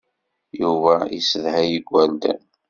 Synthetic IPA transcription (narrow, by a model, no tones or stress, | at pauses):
juvæḭsəðhæjəɡʷːæld̪ə̰n